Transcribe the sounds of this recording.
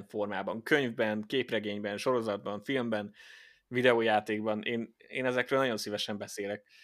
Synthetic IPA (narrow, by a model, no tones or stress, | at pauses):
ɱfo̞rmaːbɒŋkøɲvbɛnkeːprɛɡeːɲbɛnʃo̞ɾozɒd̪̚bɒɱfilmbɛn | vid̪ɛoːjaːt̪eːɡbɒneːneːnɛzɛkrøːlnjo̞nsivɛʃɛmbɛseːlɛk̚